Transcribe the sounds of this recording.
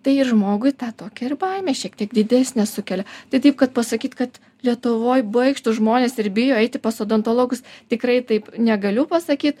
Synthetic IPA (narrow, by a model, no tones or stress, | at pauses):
t̪ɐɪɪrʒmoːɡʊɪt̪ɑːt̪oːkʲɛɪrbɐɪmʲɛʃʲiɛkt̪ʲiɛkd̪ʲɪd̪ʲæːsʲnʲɛsʊkʲɛlʲɛt̪ɐɪt̪ɐɪp̚kɐt̪̚pɐsɐkʲiːt̪kɐt̪ | lʲiɛt̪ʊʋoːjbʊɐɪkʃt̪ʊʒmoːnʲeːsɪɾbʲɪjoːɛɪt̪ʲɪpɐsoːd̪ɐnt̪olˠoːɡʊst̪ʲɪkrɐɪt̪ɐɪpnʲɛɡɐlʲʊpɐsɐkʲiːt̪